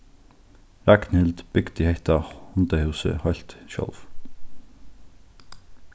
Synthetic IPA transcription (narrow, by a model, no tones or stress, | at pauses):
ɾæɡnhɪld̪b̥ʏɡd̪̥ɪheɪt̪ɑhʊnd̪əhʉːsə̰hɔʏlt̪ʃœ̰lf